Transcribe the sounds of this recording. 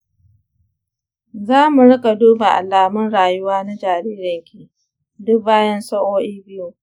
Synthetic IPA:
zaː˦mu˨ɽɪ˦ka˨duː˦ba˨ʔa̰˨laː˨mʊ˦nɽaː˨jʊ˦waː˦na˦d͡ʒaː˨ɾiː˦ɾɐ˨ŋkʲi˨ʔ | dʊ˦k̚baː˦jɐ˦nsɐ˦ʔoː˦ʔiː˦bɪ˦ju˨

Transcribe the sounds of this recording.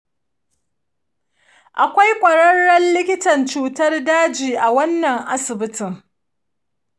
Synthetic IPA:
ʔa˨kʷa˦jkʷʼɐ˨ɽɐ˦ɽːɐ˦nlɪ˦kʲɪ˦tɐ˨nt͡ʃuː˦tɐ˦rdaː˦d͡ʒiː˨ʔa˨wɐ˦nːɐ˨ŋʔa˦sɪ˨bɪ˦tɪ˨ŋ

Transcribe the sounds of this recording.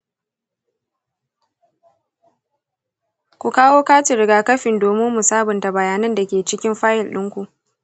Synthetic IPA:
kʷu˨kaː˦woː˦kaː˦t͡ʃɪ˨ɾɪ˦ɡaː˦kɐ˦ɸɪ˨ndoː˨mɪ˦mːu˨saː˦bʊ˨nta˨bɐ˨jaː˦nɐ˦nda˨kʲeː˨t͡ʃɪ˦kʲɪ˦mɸaː˦jɪ˨lɗɪ˦ŋkʷu˨ʔ

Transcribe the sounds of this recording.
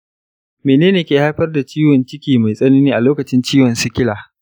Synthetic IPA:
meː˨neː˦neː˨kʲeː˨ha˦jɸɐ˦rda˨t͡ʃiː˦wɔ˨nt͡ʃɪ˦kʲiː˨ma˨jsʼɐ˦niː˦niː˦ʔa˨loː˦kɐ˨t͡ʃɪ˦nt͡ʃiː˦wɐ˨nsɪ˦kʲɪ˦laː˨

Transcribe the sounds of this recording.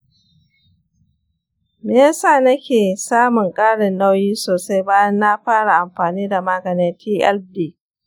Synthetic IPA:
meː˦jsaː˦˨nɐ˦kʲeː˨saː˦mʊ˨ŋkʼaː˦ɽɪ˨nːa˦wjiː˦soː˨sa˦jbaː˦jɐ˦nːa˦ɸaː˦ɽa˨ʔa˨mɸaː˨niː˦da˨maː˦ɡɐ˨nɪ˦tʰiː˦ʔɛ˦ldiː˦˨

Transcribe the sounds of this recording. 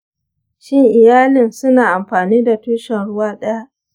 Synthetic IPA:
ʃɪ˦ŋʔɪ˨jaː˦lɪ˨nsʊ˦naː˨ʔa˨mɸaː˨niː˦da˨tuː˦ʃɛ˨nɽʊ˦waː˦ɗɐ˦ja˦ʔ

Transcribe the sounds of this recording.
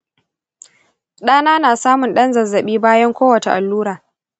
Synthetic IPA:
ɗaː˦naː˦naː˨saː˦mʊ˨nɗɐ˦nzɐ˨zːɐ˨ɓiː˦baː˦jɐ˦ŋkʷoː˦wɐ˨t͡ʃe˨ʔa˨lːuː˦ɾaː˨

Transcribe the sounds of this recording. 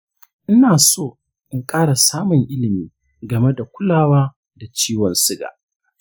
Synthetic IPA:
ʔɪ˦naː˨soː˦˨ | ʔɪ˦ŋkʼaː˦ɽa˨saː˦mʊ˨ŋʔɪ˦lɪ˨miː˦ | ɡɐ˨me˦da˨kʷʊ˦laː˦˨waː˦ | da˨t͡ʃiː˦wɔ˨nsɪ˦ɡa̰ː˨

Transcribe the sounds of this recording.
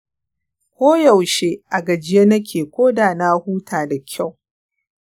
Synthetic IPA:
kʷoː˦jɐ˨wʃeː˦ʔa˨ɡɐ˨d͡ʒɪ˦je˦nɐ˦kʲʰeː˨kʷoː˦daː˨na˦huː˦tʰaː˨da˨kʲʰa˦˨w

